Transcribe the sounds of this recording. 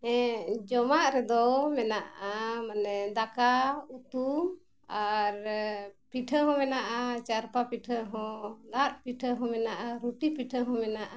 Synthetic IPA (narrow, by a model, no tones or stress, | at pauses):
ɛ̃d͡ʒɔmaʔɾɛd̪ɔmɛnaʔamanɛd̪akaut̪um | aɾpiʈʰəɦɔ̃mɛnaʔat͡ʃaɾpapiʈʰəɦɔ̃lat̪̚piʈʰəɦɔ̃mɛnaʔaɾuʈipiʈʰəɦɔ̃mɛnaʔa